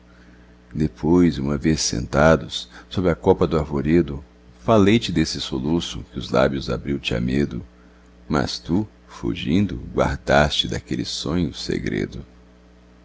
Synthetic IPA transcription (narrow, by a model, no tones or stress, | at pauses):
d̪epʰojzũmɐvesːḛ̃nt̪ad̪ʊsːobɾɪɐkɔpɐd̪ʊaɾvoɾed̪ʊ | falejt͡ʃɪd̪esɪsolusʊ̰kɪʊzla̰bjʊza̰bɾiwt͡ʃɪa̰med̪ʊ | mɐ̰st̪u | fṵʒĩnd̪ʊɡwa̰ɾd̪ast͡ʃɪd̪akelɪsõɲʊsḛɡɾḛd̪ʊ